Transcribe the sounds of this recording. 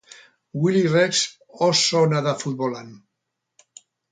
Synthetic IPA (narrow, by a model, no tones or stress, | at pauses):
wilireks | ɔsonaðafut̪̚bolan